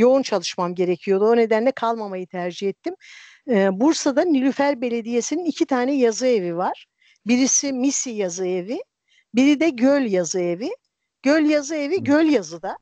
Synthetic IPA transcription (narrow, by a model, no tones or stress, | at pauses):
jo̞unt͡ʃʰalˠɯʃmamɟe̞ɾecʰijo̞d̪uone̞d̪ænlʲɛkʰalˠmamajɯt̪ʰæɾd͡ʒihɛt̪ʰːimː | buɾsad̪anylʲyfæɾbe̞lʲe̞d̪ije̞sininicʰit̪ʰaːnɛjazɯe̞vivaɾ̥ | biɾisimisijazɯevi | biɾid̪ɛɟølʲjazɯevi | ɟ̥ølʲjazɯe̞viɟølʲjazɯd̪a